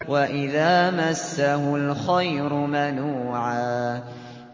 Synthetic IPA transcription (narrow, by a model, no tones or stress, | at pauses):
waʔɪðaːmasːahʊlxajɾʊmanuːʕaː